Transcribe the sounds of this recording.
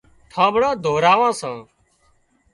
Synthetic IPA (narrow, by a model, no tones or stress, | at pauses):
ʈʰãːbɽãːd̪ʱoːɾaːʋãːsãː